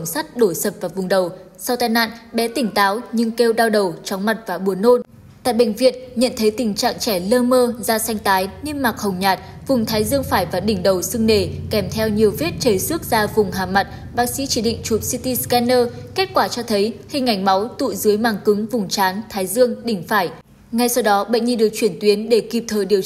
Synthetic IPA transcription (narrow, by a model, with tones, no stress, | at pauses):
ŋ͡msa˦˥t̚ɗo˧˩sə˨˩p̚vaː˨˩vʊ˨˩ŋ͡mɗə˨˩w | sa˧wt̪aː˧jna̰ː˧˨nɓɛ˨˦t̪ï˧˩ŋ̟t̪aː˨˦wɲɨ˧ŋke˧wɗaː˧wɗə˨˩wt͡ɕɔ˨˦ŋ͡mma˨˩t̚vaː˨˩ɓu˨˩ənːo˧n | t̪a̰ː˧˨jɓḛ˧˨ŋ̟vḭ˧˨ənɲə̰˧˨nt̪ʰə˨˦jt̪ï˨˩ŋ̟t͡ɕa̰ː˧˨ŋt͡ɕɛ˧˩ləː˧məː˧zaː˧sa˧jŋ̟t̪aː˨˦jni˧nmaː˨˩k̚hə˨˩wŋ͡mɲaː˨˩t̚ | vʊ˨˩ŋ͡mt̪ʰaː˨˦jzɨ˧əŋfaː˧˩jvaː˨˩ɗï˧˩ŋ̟ɗə˨˩wsɨ˧ŋne˧˩kɛ˧˩mt̪ʰɛ˧wɲi˨˩əwvi˦˥t̚t͡ɕəː˨˦jsɨ˦˥ək̚zaː˧vʊ˨˩ŋ͡mɦaː˨˩ma˨˩t̚ | ɓaː˦˥k̚sḭ˧˥t͡ɕi˧˩ɗḭ̈˧˨ŋ̟t͡ɕu˨˩p̚si˧t̪i˧skɛ˧nːəː˧ke˦˥t̚kwaː˧˩t͡ɕɔ˧t̪ʰə˨˦jhï˨˩ŋ̟ʔa˧˩jŋ̟ma˨˦wt̪ṵ˧˨zɨ˨˦əjmaː˨˩ŋkɨ˨˦ŋvʊ˨˩ŋ͡mt͡ɕaː˨˦nt̪ʰaː˨˦jzɨ˧əŋɗï˧˩ŋ̟faː˧˩j | ŋa˧jsa˧wɗɔ˨˦ɓə̰˧˨ŋ̟ɲi˧ɗɨ˨˩ək̚t͡ɕwi˧˩ənt̪wi˨˦ənɗe˧˩ki˨˩p̚t̪ʰəː˨˩ɗi˨˩əw